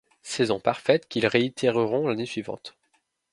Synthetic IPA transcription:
sɛzɔ̃paʁfɛt̪kʲilʁeit̪ʰɛʁəʁɔ̃lanesɥivɑ̰̃t̪

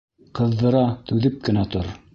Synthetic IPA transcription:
qɤ̆ðːɤ̆ɾɑt̪ʉðɘp̚kɘ̆næt̪oɾ

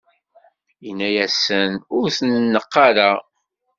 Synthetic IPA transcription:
inːæjæsənʊɾθənːəqːɑɾa

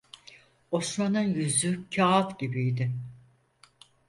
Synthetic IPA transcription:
o̞smanɯnjyzycʰaːat̪ɟibijd̪ɪ

